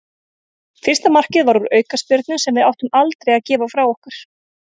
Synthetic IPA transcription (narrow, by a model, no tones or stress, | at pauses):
fɪr̥st̪amar̥cɪðvaɾuɾœːɥkaspjʏɾt̪nʏsɛmvɪðawht̪ʏmalt̪ɾejaðcɛːvafɾawɔhkaɾ̥